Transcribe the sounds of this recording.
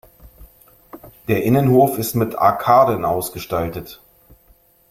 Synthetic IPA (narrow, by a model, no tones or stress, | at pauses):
d̥eːɐʔɪnənhoːfɪstmɪtʰa̰ɐkʰaːdənʔa̰ʊsɡ̥əʃtaltət